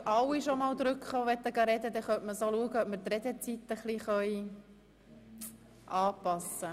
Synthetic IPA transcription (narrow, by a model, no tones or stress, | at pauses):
ɑwiʃomɑːwd̪ɾʏkχoːʋɛt̪ːəɡɑɾɛd̪əd̪ɛχœtməsoluəɡəœp̚məɾt̪ɾɛd̪ɛt͡sit̪ːəχliχœj | ʔɑːpɑsə